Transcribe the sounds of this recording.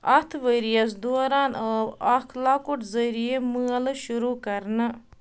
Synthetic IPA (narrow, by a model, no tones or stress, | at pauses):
ɐt̪ʰʋəɾijɐs̬d̪oːɾaːnəːbɐkʰlaːkʊʈzəɾijeməːəlʃʊɾuːkɐɾn